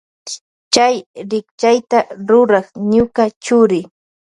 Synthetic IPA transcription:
t͡ʃajɾɪk̚t͡ʃajt̪aɾʊɾɑχɲʊkat͡ʃʊɾɪ

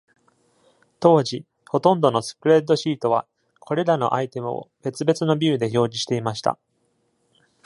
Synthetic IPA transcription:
t̪o̞ːʑi | ho̞t̪õ̞nd̪o̞no̞sɨ̥pɯ̟ɾe̞d̪ːo̞ɕiːt̪o̞β̞a̰ | kʰo̞ɾe̞ɾano̞̰ʔait̪e̞mɯ̟̰o̰be̞t͡sɨbe̞t͡sɨno̞bʲiɯ̟d̪e̞ço̞ːd͡ʑiɕi̥t̪e̞imaɕi̥t̪a̰

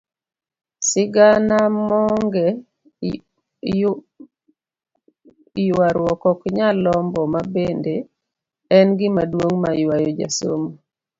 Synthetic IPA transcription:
sɪɡanamɔŋɡɛ | jwaɾwɔkɔkɲalɔmbɔmabende | ɛnɡɪmadwoŋmajwajɔd͡ʒa̰so̰mo

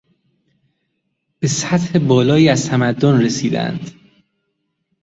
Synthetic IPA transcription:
b̥esæt̪he̞bɒːlɒːiːæzt̪ʰæmæd̪ːonresiːd̪æ̰nd̪̥

